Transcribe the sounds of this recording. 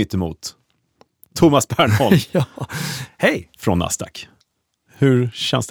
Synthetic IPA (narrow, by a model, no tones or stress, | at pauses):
ʏt̪ːəmṵːt̪ʰ | ʊmasbæːɳhɔɑ | hɛjfɾɔnːa̰st̪ɑ̰k | hɵɾɕɛ̰nsd̪